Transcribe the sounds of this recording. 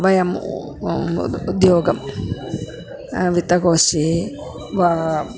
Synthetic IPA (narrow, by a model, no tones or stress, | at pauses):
ʋɐjɐm | d̪joːɡɐm | ʋit̪ːɐkoːsi | ʋa